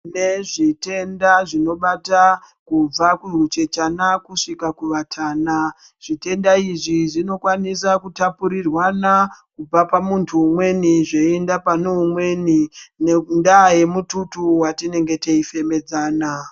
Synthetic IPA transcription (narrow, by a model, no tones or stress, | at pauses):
ne̞ʐite̞ndaʐino̞ɓata | kub͡vakurut͡ʃe̞t͡ʃanakuʂikakuʋatʰaːna | ʐ̥ite̞ndaiʐiʐino̞kwanisakutapuɾirwanakub͡vapamuntʰuːmwe̞niʐeendapanoumwe̞ninendaje̞mututuwatine̞ŋɡe̞te̞ife̞me̞d͡zaːna